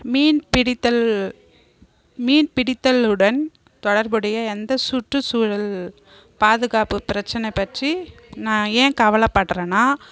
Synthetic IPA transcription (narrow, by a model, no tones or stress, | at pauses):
miːnpɪɽɪt̪ːɐl | miːnpɪɽɪt̪ːɐlɯɽɐn | t̪ɔɽɐɾbɯɽɐjɐɛnd̪ɐsʊʈrɯsuːɻɐl | paːðɯɣaːpɯpɪɾɐt͡ʃːɐnɐɪpːɐʈrinãːeːkɐʋɐlɐpːɐʈːrɐnaː